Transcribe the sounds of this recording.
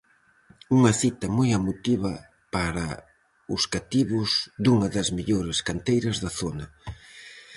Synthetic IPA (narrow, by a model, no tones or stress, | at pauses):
uŋɐθit̪ɐmojamut̪iβɐ | paɾɐ̰ | ʊskat̪iβʊzd̪uŋɐðɐzmeʎoɾɪskant̪ejɾɐzðɐθonɐ